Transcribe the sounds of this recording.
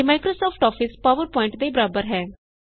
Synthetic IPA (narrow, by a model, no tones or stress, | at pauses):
maːkɾoːsɔːpʰʈɔːpʰɪspaːʋəɾpɔːɪ̃ɳʈd̪eːbəɾaːbəɾɦɛː